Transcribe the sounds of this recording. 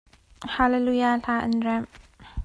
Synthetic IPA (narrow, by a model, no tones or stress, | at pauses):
halelujaːɬaːʔə̰nrɛm